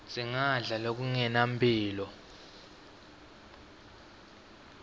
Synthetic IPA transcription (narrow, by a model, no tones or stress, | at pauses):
ziŋaɮalok̬uŋɛnampʰʼiːlɔ